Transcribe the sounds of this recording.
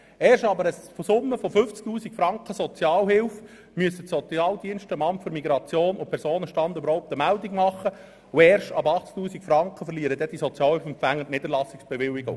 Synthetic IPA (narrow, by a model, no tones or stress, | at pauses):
ɛːrʃtɑbəɾəsfosʊmːəfofʏft͡sk̚t̪uːsikfɾɑŋkχəsɔt͡sjɑːlhɪlf | myəsəsɔt͡sjɑːld̪iənʃtəmɑmtføɾmiɡɾɑt͡sjoːnʊpʰɛɾsoːnəʃtɑnd̪øbəɾhɔʊp̚t̪əmældiɡmɑχə | ʊɛːrʃtɑbɑχt͡sk̚tuːsikfɾɑŋkχəfəɾliəɾəd̪ɛd̥isɔt͡sjɑːlhɪlfɛmpfæŋːətnɪd̪əɾlɑsːiksb̥eʋɪlːiɡʊ̰ŋ